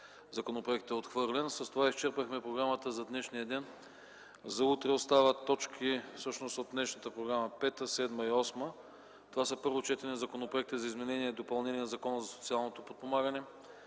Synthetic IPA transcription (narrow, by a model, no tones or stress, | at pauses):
zɐkonopɾoɛk̚t̪ɛot̪xvɤɾlɛnsɐst̪ovaist͡ʃɛɾpəxmɛpɾoɡɾamət̪əzɐd̪nɛʃniəd̪ɛn | zɐut̪ɾɛost̪avət̪ːɔt͡ʃkʰifsɤʃnost̪od̪̚d̪nɛʃnət̪əpɾoɡɾaməpɛt̪əsɛd̪məiɔsmə | t̪ovasəpɤɾvot͡ʃɛt̪ɛɾnizɐkonopɾoɛk̚t̪izɐizmɛnɛniɛd̪opɐlˠnɛninɐzɐkɔnəzɐso̥t̪sialˠnot̪opot̪̚pomaɡənɛ